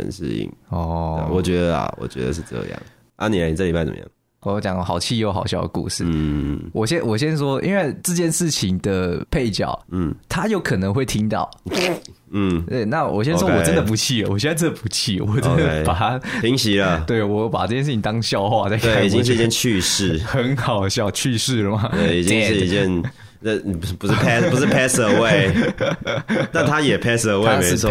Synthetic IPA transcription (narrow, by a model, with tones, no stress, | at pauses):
ə̰˧nʂɻ̩̰˥˧ḭ˨˩ŋɔ˥˧wɔ˨˩t͡ɕɥɛ˧˥d̪ə˧ɐ̰˨wɔ̰˨˩t͡ɕɥɛ̰˧˦˥d̪ə̰˧ʂ̬ɻ̩˥˧t͡sɤ̰˧jɑ̰˥˩ŋ | ʔa̰˦ni˨a˧˥n˨˥˩li˨ba˥˩ɪt͡sə̰˨˩mə̰˦jɑ̰˥˩ | ɔ˨˦t͡ɕjɑ˨˩˦ŋxɑ˨˩ʊt͡ɕʰi˥˧jo˧˩ʊxɑ̰˨˩ʊɕjɑ˥˩ʊd̪ə̰˨˩kṵ˥˧ʂɻ̩̰˥˨wʔɔ˨˩ɕjɛ˥nwɔ˨˩ɕ̬jɛ˦˥nʂwɔ˥ʔḭ˥nwa˥˧ɪt͡sə˥˧t͡ɕjɛ˥˧nʂɻ̩˥˩t͡ɕʰi˧˦ŋd̪ə˨pʰe˥˧ɪt͡ɕjɑ̰˨˩ʊ˥˩t̪ʰa˦jo˥˩ʊkʰɤ˨˩nə˧˦ŋxwe˥˩ɪt̪ʰi˦ŋt̪ɑ̰˥˨ʊ | n̩˥˩t̪we˥˩na˥˨wɔ̰˨˩ɕjɛ˥nʂwɔ˥˧wɔ˨˩ə˦nd̪ə˨˩pu˧˥t͡ɕʰi˥˩ə˨wɔ˨˩jɛ˥nd͡za˥˧ə˥nd̪ə˨˩pu˧˦˥t͡ɕʰi˥˩wɔ˨˩t͡sə˦nd̪pa˨˩ta˥i˧˥ŋɕi˧˥lə˧t̪we˥˩ɪwɔ˧˦˩pa˨˩ʈ͡ʂɤ˥˩t͡ɕjɛ˥˧ʂ̬̩˥˩t͡ɕʰi˩ŋ˥t̪ɑ˥ŋɕjɑ˥˧ʊxwa˥˧t͡sa˥˧ɪk̪ea˩˨˥i˨˩t͡ɕĩ˦ŋʂɻ̩˥˧˥t͡ɕjɛ˥˧nt͡ɕʰy˥˧ʂɻ̩˥˨˩xə˧˦nxɑ˨˩ʊɕjɑ˨˩ʊt͡ɕʰy˥˧ʂɻ̩˥˩ə˨˩ma˨˩e˥˩i˨˩t͡ɕi˦˥ŋʂɻ̩˥˧i˧˩t͡ɕɛ˥˧˨n˧˩˧ | pu˧˥˧pʰɛ˦pu˧˥ʂɻ̩˥˩pʰɛ˥sə˧we˥˩ɪ | t̪a˥˧˨nt̪ʰa˦˥jɛ˨˩pʰe˥sə˧we˨ɪme˧˦˥wɔ˥˧˩